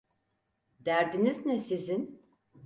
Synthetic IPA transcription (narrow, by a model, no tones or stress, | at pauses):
d̪æɾd̪iniznɛsizin